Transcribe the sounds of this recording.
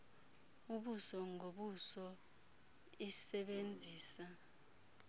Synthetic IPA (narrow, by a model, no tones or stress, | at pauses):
uɓusɔŋoɓusɔ | isɛɓend͡zʱiːsa